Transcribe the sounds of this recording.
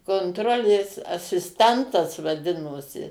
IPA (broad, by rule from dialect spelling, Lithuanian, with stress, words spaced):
koːnˈtroːlʲeːs ɐsʲɪsʲˈtʲɛntɐs ʋɐˈdʲɪnoːsʲɪ